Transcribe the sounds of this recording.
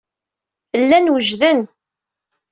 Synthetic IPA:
lːænwəʒðən

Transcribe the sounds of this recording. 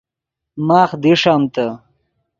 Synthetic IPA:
maːχd̪iʂaːmt̪ɐ

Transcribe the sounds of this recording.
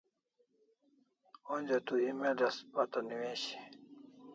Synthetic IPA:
onʲd͡ʑat̪uimedɐspat̪aniweːɕe̥

